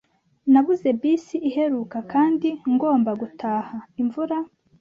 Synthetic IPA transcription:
naβuze̞bisiʔːhe̞ɾuːkakʰaːndiŋɡo̞ːmbaɡutʰaːhaiɱvuɾa

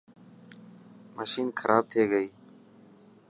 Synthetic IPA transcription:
məʃiːnkʰəɾʔaːb̚t̪ʰeːɡəiː

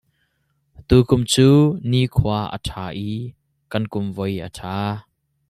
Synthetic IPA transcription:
t̪ukʊmt͡suːnikʰuaʔə̰tʰaːʔi | kɐnkʊmvɔjə̰tʰaː

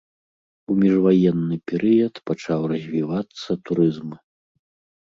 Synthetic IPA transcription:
umʲiʐvajɛnːɨpʲɛɾɨjɐt̪pat͡ʂawrɐzʲvʲivat̪sːɐt̪uɾɨzm

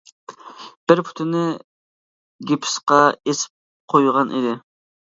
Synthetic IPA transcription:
b̥ɪɾpʰu̥t̪ʰɪnɪ | ɡʲipʰɪ̥sqɑesɪ̥p̚ | qʰojʁɑnʔḭd̪ɪ

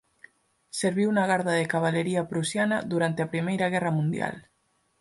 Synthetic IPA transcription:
seɾβiwunaɣ̞aɾðaðekaβaleɾiapɾusjanaðuɾant̪eapɾimejɾaɣɛramũnd̪ja̰l

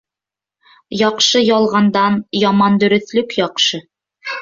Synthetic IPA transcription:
jɒqʃɤjɒlˠʁɑnd̪ɑnjɑmɑnd̪ɵ̆ɾɵ̆θlɵkjɒqʃɤ

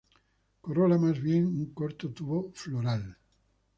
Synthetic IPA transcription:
korolamazβjeŋuŋkoɾt̪ot̪uβofloɾal

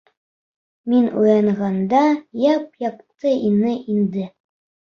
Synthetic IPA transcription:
minujɑɴʁɑnd̪ɑjɑp̚jɑq̚t̪ɤʔinɘʔind̪ɘ

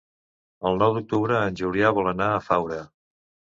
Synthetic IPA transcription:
əlˠnɔwd̪uk̚t̪uβɾəːnʲʒuɾiaβɔlˠənaəfawɾə

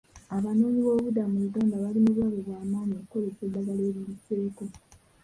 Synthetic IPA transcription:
aβanoːɲiβo̞ːβudamuuɡaːndaβalinoβwaβoβwaːmaːɲiokko̞lesedːaɡale̞ːɾjiβite̞ːko̞

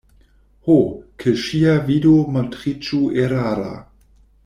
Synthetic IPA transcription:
hokʰeʃiavidomatʁit͡ʃueɾaɾa̰

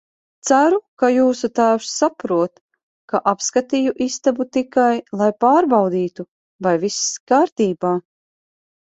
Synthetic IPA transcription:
t̪sæɾukajuːsut̪æːwsːapɾuɔt̪ | kaʔapskat̪ijuʔist̪abut̪ikajlˠajpaːɾbɑwd̪iːt̪u | vajviskaːɾt̪iːbaː

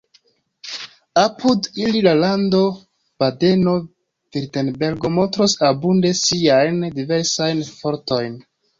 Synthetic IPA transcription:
apʰudililalando̞ | bade̞no̞ | viɾtenbe̞ɾɡo̞mo̞ntɾosabunde̞siajndive̞ɾsajnfo̞ɾto̞jn

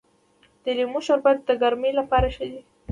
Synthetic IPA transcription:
d̪̥əlimʊʃaɾbajad̪̚d̪əɡaɾmelapɑɾaʃəd̪i

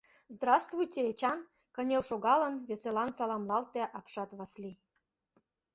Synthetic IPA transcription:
zd̪rɑst̪vujtʲeet͡ɕɑn | kɤnʲelʃoɣɑlə̆nβʲesʲelɑnsɑlɑmlɑlt̪æʔɑpʃɑt̪βɑslʲi

